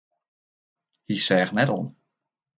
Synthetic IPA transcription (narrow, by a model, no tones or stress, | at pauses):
hisɛːχnɛtɔ̰n